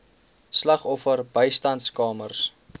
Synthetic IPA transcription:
slɐχɔfərbəjstɐntskɑːmərs

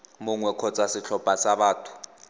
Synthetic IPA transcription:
mʊŋwɛkʰɔt͡sʼasɪɬʰɔb̥ʱʼasaɓaːtʰu̥

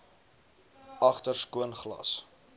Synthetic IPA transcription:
ɐχtərskuənχlɐ̰s

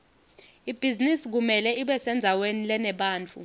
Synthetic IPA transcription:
ib̥ʱizinisik̬umɛlɛiɓɛsɛnd͡zʱawenilɛnɛɓaːnt͡fʰʼṵ

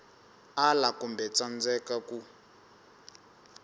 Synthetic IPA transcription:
alakumbɛt͡sand͡zɛkaku

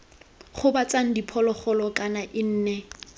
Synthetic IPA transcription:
χʊbat͡saŋ̩dipʰɔlɔχɔlɔkʼanaʔɪn̩ːnɛ

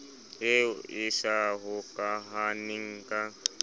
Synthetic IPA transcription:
eɪʃaɦʊkʼaɦanɪŋ̩kʼa

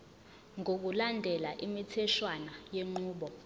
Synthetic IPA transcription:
ŋʱok̬ulandʱɛlaʔimitʰɛʃwanajeŋ͡ǃuːɓɔ

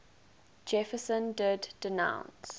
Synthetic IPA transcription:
d͡ʒɛfəsə̃ndɪddənã̰ʊ̃ns

